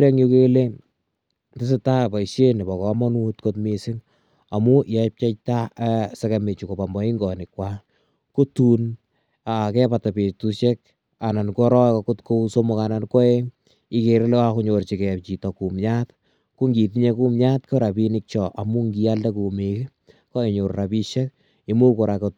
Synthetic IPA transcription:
ɾe˦ŋjo˦ke˦le˦ | tɪ˦s̬ɪ˦ta˦pa˨i˨se˦nɪ˨bɔ˨kɔ˨mɔ˦nu˦tko˦tmi˦sɪ˦ŋ | a˨mu˦jɛ˨p̚t͡ʃa˦t͡ʃ̚ta˦sɛ˦ke˨me˨t͡ʃu˨ko˨pa˨mbɔ˨˦i˦ŋɡɔ˨nɪ˨kwa˦ | ko˦tu˦n | akɛ˦pa˨ta˨pe˨tu˦ʃɛ˦k̚ | a˨na˨nkɔ˦ɾɔ˦kɔ˨kʊ˦tko˦u˦so˦mʊ˦ka˨na˨nkɔ˦e˦ | i˦ke˨ɾe˦la˦ku˦ɲo˨ɾt͡ʃi˨kɛ˨t͡ʃi˨tɔ˨ku˨mɲa˦t | ku˦ŋɡi˨ti˦ɲe˦ku˦mɲa˦tko˦ɾa˨pi˦nɪk̚t͡ʃɔ˨ʔa˨mu˦ŋɡi˦ja˦lda˦ku˨mi˨k | kɔ˦e˨ɲo˨ɾra˨pi˦ʃe˦k̚ | i˦mu˦ko˨ɾa˨kot̚

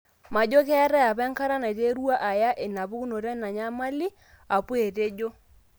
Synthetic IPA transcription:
ma˨d͡ʒo˦kɛ˦a˦ɾɛ˦a˨pɛ˦ŋka˦ɾa˦na˨te˦ɾwa˦ʔa˨ja˦ʔe˨na˨bu˦ku˦no˨ɾɛ˦na˨ɲa˦ma˦li˦ | a˨pu˦e˨te˦d͡ʒo˦

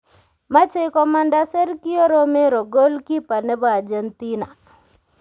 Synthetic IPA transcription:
ma˦t͡ʃe˦kɔ˦ma˦nda˦sɛ˦ɾki˦o˦ɾɔ˦me˦ɾo˨ɡo˦lki˦pa˨nɛ˦ba˨a˨d͡ʒɛ˨nti˦na˨

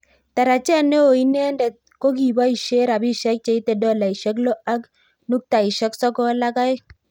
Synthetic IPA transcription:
t̪a˨ɾa˨t͡ʃɛ˦ne˦o˨i˦nɛ˦ndɛ˨t̚ko˦ki˨ba˦i˨ʃe˦ɾa˨bi˦ʃɛ˦k̚t͡ʃe˦i˦t̪e˨dɔ˦la˨i˨ʃɛ˦k̬lo˦a˦k | nu˦k̚t̪a˨i˨ʃɛ˦ksɔ˦kɔ˦la˦ka˦j

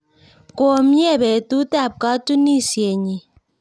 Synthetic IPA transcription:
kʼo˨m̩˦jɛ˦˨bɛ˨tu˦tʼa˦˨p̚ka˦tu˦ni˦˨sje˨ɲi˨

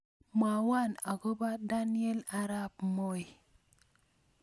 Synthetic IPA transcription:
ma˨wa˦˨na˨ko˦ba˦da˦nje˦la˦ɾa˦p̚mo˦j

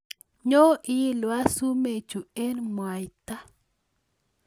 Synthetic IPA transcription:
ɲo˦ʔɪ˦i˦lwa˦su˦me˨t͡ʃu˨e˦nmwa˨jt̪a˦

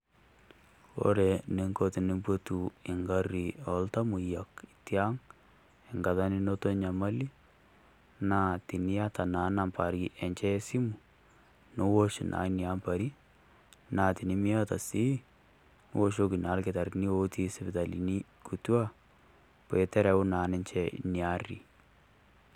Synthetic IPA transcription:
o̰˦ɾɛ˨nɪ˦ŋko˦tɪ˨ni˦mbo˦tu˨ɪ˨ŋɡa˦ri˨ɔ˨lta˦mu˨ja˨kitja˦ŋ | ɪ˨ŋɡa˨ða˦ni˦no˦to˦ɲa˨ma˦li˦ | na˨ti˨ni˦a˦ta˨na˨˦na˨mpa˨ɾi˦ʔɛ˨ɲt͡ʃɛ˦si˦mu˨ | no˦wo˦ʃḭ˨nʔa̰˨˦ni˨a˦mpa˨ɾi˦ | na˨ti˨ni˦mi˦a˦ta˨si˦ | wo˦ʃo˦ki˨na˨˦lkɪ˨ta˨ɾni˦wo˦ti˦sɪ˦bɪ˨ta˨lḭ˨ni˦ | ku˨twa˦ | pɛ˨tɛ˦ɾɛ˨u˦naː˨nɛ˦nt͡ʃɛnia˦rḭ˨

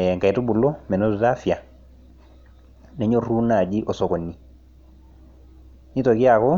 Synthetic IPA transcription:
ŋka˨i˨tu˦bu˨lɔ˦mɛ˨nɔ˦tu˨ta˦fja˨ | nɛ˨ɲo˦ru˦na˨d͡ʒi˦ʔɔ˨sɔ˨kɔ˨nːi˨ | ni˦to˨ki˦a˨kɔ˦

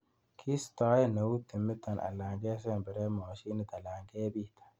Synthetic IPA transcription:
kʰi˦st̪aː˦jnɐ˨wu˦t̪ːɪ˨mːɪ˦t̪ːɐ˨nʔa̰˨lːa˨ŋɡe˦s̬e˦mbɪ˨ɾe˦maː˨ʃi˦nɪ˦t̪ɐ˨la˨ŋɡe˦bi˦t̪ḁ˨

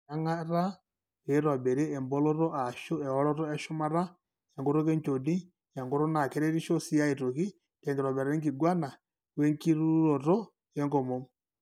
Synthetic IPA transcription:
a˦ŋa˦ɾa˦ | e˨˦ɾɔ˨bɛ˨ɾe˦ɛ˨mbo˦lo˦ɾɔ˦ʔa˨ʃo˦ɛ˨ɔ˦ɾɔ˦ɾɔ˦ɛ˦ʃu˦ma˦ɾa˦ | jɛ˨ŋɡo˦ɾo˦ke˦ɲt͡ʃo˨ni˦ | ja˨ŋɡo˦ɾo˦na˨ke˦ɾe˦ɾi˦ʃo˦si˦ja˦i˨to˨ki˦ | kɛ˨ŋɡiɾɔ˨bɛ˨ɾa˨ɛ˦ŋɡi˨ɡwa˦na˨ | wɛ˦ŋki˦ɾu˦ɾo˨ɾo˦ | jɛ˦ŋɡɔ˨mo˨˦m

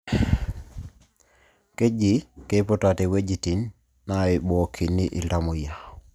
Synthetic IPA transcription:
ke˦d͡ʒike˦po˦tate˨we˦d͡ʒiti˨nː | aibo˨kʰi˨nːiʔi˨lta˦mo˨ja˨

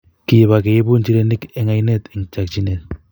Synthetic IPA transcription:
kɪ˨βa˨ke˨je˦bu˦nt͡ʃi˦ɾe˦nɪ˦kɛ˦ŋa˨jne˦˨t̪ɪ˨ŋt͡ʃa˨k̚t͡ʃi˦ne˨t̪̚

